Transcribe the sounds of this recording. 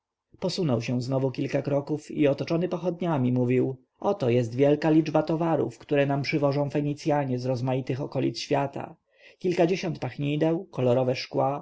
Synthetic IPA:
pɔsunɔwɕɛw̃znɔvukʲilkakɾɔkufḭɔt̪ɔt͡ʂɔnɘpɔxɔd̪ɲamʲimuvʲiw | ʔɔt̪ɔjɛs̬t̪vʲjɛlkalʲid͡ʐbat̪ɔvaɾṵfkt̪uɾɛnampʂɘvɔʐɔ̃w̃fɛɲit̪sʲjaɲɛzɾɔzmajit̪ɘxɔkɔlʲḭt̪sɕfʲjat̪ʰa̰ | kʲilkad͡ʑeɕɔnt̪̚paxɲid̪ɛwkɔlɔɾɔvɛʂkwa

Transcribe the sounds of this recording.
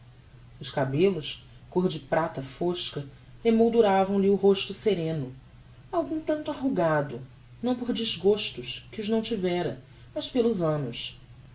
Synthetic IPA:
ʊʃkabelʊs | koɾd͡ʒɪpɾat̪ɐfoʃkɐ | hemowd̪uɾavɐ̃w̃liʊɦoʃt̪ʊseɾẽnʊ | awɡũt̪ɐ̃nt̪uaɦuɡad̪ʊ | nɐ̃w̃poɾd͡ʒizɡoʃt̪ʊʃkɪʊznɐ̃w̃t͡ʃivɛɾɐ | mɐspelʊzɐ̃nʊs

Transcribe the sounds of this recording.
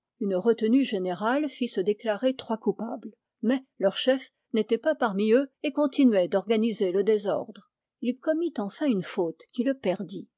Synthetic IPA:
ynʁət̪ənyʒeneʁalfisəd̪eklaʁet̪χwakupabl | mɛlœʁʃɛf | net̪ɛpapaʁmiøekɔ̃t̪ʰinɥɛd̪ɔʁɡanizeləd̪ezɔ̰ʁd̪ʁ | ilkɔmit̪ɑ̃fɛ̃ynfot̪kʲiləpɛʁd̪i

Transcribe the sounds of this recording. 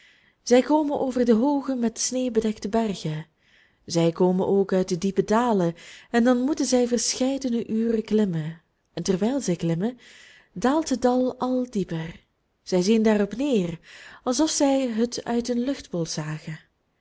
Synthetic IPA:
z̥ɛjkoːmənʔoːvərdəɦoːɣəmɛtsneːbədɛktəbɛrɣə | zɛjkoːmə̰nʔoːkœɥt̚dədipədaːləɛndɑnmutənzɛjvərsxɛjdənəʔyːrəklɪmə | ɛntərʋɛjlˠzɛjklɪmə | daːlˠtədɑlˠɑlˠdipər | z̥ɛjzindaːrɔpneːrɑlˠzɔfsɛjɦətœ̰ɥtənlɵxtbɔlˠz̥aːɣə

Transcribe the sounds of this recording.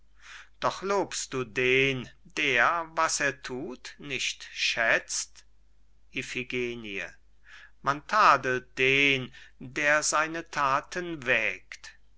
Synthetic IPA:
d̥ɔχloːpst̚d̥uːdeːndeːɐvaseːɐtʰuːtnɪʃtʃɛt͡st | ʔefiɡeːniə̰ | mantʰaːdəlt̚d̥eːndeːɐzaɪnətʰaːtʰənvɛːkt

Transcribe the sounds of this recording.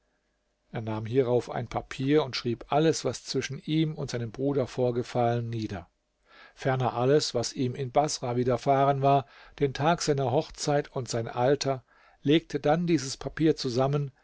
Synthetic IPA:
ʔeːɐnaːmɦiːʁaʊfa̰ɪnpʰapʰiːɐʊntʃʁ̥iːpʔaləsv̥ast͡sv̥ɪʃn̩ʔiːmʊntz̥aɪnəmbʁuːdɐfoːɐɡəfalənːiːdɐ | fɛɐnɐʔaləsv̥asiːmɪnbasʁaviːdɐfaːʁənvaːɐd̥eːntʰaːkz̥aɪnɐɦɔχt͡saɪtʰʊntz̥aɪnʔaltʰɐ | leːk̚tʰədandiːzəspʰapʰiːɐt͡suzamən

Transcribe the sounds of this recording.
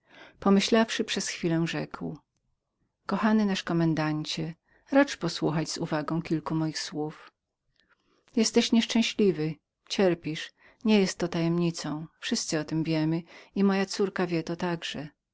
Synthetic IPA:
pɔmɘɕlafʂɘpʂɛsxfʲilɛ̃ʐɛkw | kɔxanɘnaʂkɔmɛnd̪aɲt͡ɕɛ | ɾat͡ʂpɔswuxad͡ʑzṵvaɡɔ̃w̃kʲilkumɔjixswuf | jɛst̪ɛɕɲɛʂt͡ʂɛ̃w̃ɕlʲivɘ | t͡ɕɛɾpʲiʂ | ɲɛjɛst̪ːɔt̪ajɛmɲit̪sɔ̃w̃fʂɘst̪sɘɔt̪ɘmvʲjɛmɘimɔjat̪suɾkavʲjɛt̪ɔt̪aɡʐɛ

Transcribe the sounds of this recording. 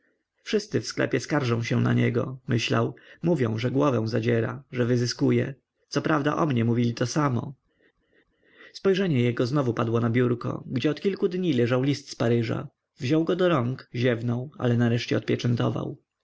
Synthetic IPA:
fʂɘst̪sɘfsklɛ̰pʲjɛskaɾʐɔ̃w̃ɕɛwna̰ɲɛɡɔ̰mɘɕla̰wmuvʲjɔ̃w̃ʐɛɡwɔvɛ̃w̃zad͡ʑɛɾa̰ʐɛvɘzɘskujɛ | t̪sɔpɾʔavd̪aʔɔmɲɛmuvʲilʲit̪ɔsamɔ̰ | spɔjʐɛɲɛjɛɡɔznɔvupad̪wɔnabʲjuɾkɔ̰ɡd͡ʑɛɔt̪kʲilkud̪ɲilɛʐawlʲist̪spaɾɘʐa̰ | vʑɔwɡɔd̪ɔɾɔŋkʑɛvnɔ̃w̃a̰lɛnaɾɛʂt͡ɕɛɔt̪̚pʲjɛt͡ʂɛnt̪ɔva̰w

